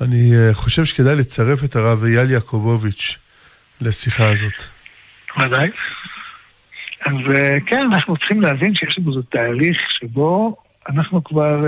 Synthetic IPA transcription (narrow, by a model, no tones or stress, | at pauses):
aniχo̞ʃe̞vʃeked̪ajlet͡saʁe̞fe̞t̪aʁavjaljakʰobovit͡ʃ | lasiχazo̞t̪ | vad̪aj | azkenanaχnut͡sχimleavinʃejeʃlamozot̪aːliχʃebo̞ | anaχnukvaʁ